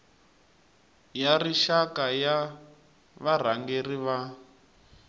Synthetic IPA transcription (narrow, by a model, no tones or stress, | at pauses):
jariʃakaja | βar̤aŋɡeriβa